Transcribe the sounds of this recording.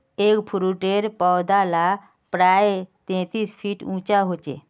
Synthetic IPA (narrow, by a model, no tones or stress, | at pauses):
ekpʰuɾuʈeɾpɔwd̪ala | pɾajet̪ẽt̪iːsfʰiːʈũt͡ɕaɦot͡ɕḛ